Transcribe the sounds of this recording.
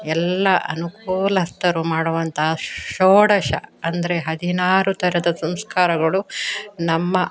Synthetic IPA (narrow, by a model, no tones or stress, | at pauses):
ɛlːɐʔɐ̰nukuːlɐst̪ːɐɾumaːɽoʋɐnt̪ʰɐɦɐʃoːɽɐʃɐ̰ɐnd̪ɐɾeɦɐd̪inaːɾut̪ɐɾɐd̪ɐsɐmskaːɾɐɡɐɭunɐmːɐ